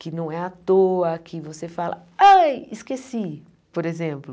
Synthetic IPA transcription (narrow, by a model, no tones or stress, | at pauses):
kɪnɐ̃w̃ɛat̪oɐkʰɪvosefalɐ̰ | ajiskesi | poɾezẽmplʊ